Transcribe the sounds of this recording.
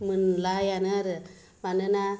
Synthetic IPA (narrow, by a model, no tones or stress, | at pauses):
mɯnlajanɯɾɯ | ʋanɯna